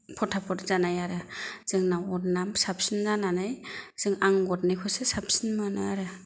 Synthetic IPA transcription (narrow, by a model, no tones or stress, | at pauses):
pʰɔtʰapʰɔɾzanajaɾɯz̥ɯŋnawɔtnamsap̚sinzananajz̥ɯŋaŋɡɔt̚najkʰɔsɯsap̚sinmanɯaɾɯ